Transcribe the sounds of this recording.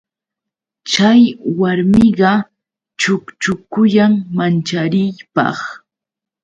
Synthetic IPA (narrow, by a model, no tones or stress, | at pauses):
t͡ʃajwaɾmɪɢɑ | t͡ʃʊkt͡ʃʊkʊjaŋmant͡ʃaɾɪjpɑ̰χ